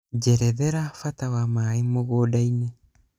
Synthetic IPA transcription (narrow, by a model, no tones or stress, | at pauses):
d͡ʒeɾeðeɾafatawamaimoɣoːdaine